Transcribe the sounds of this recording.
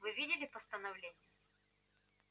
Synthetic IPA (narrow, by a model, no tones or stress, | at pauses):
vɨvʲidʲɪlʲɪpəst̪ənɐvlʲenʲɪjə